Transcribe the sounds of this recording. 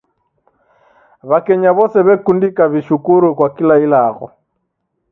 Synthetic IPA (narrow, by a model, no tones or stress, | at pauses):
βakɛɲaβɔsɛβɛkundikaβiʃukuɾukwakilailaɣɔ̰